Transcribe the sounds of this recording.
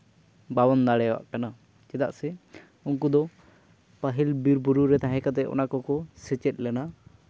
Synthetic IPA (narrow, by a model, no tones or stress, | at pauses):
bawɔnd̪aɽɛwa̰ʔkana | t͡ʃɛd̪a̰ʔsɛ | unkud̪ɔ | paɦilbiɾbuɾuɾɛt̪aɦɛ̃kat̪̬ɛɔ̰nakɔkɔsɛt͡ʃɛt̪̚ˀlɛna